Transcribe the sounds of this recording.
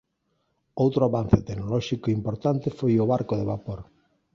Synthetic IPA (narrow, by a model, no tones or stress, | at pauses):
owt̪ɾoaβan̟θet̪eɡnolɔʃikoimpoɾt̪ant̪efojʊβaɾkoðeβapoɾ